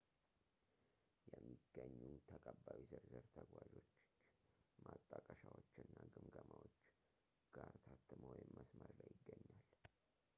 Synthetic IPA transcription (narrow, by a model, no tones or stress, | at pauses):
jɛmːiɡ̥ːəɲːut̪ʰəkʼəbːawizəɾzɨɾt̪ʰəɡwaʒo̞t͡ʃː | mat̪ʼːakʼəʃawot͡ʃːɨnːaɡɨmɡəmawot͡ʃː | ɡ̥aɾt̪ʰat̪ʰʼːɨməwjɪmːəsməɾlajːɪɡːəɲːal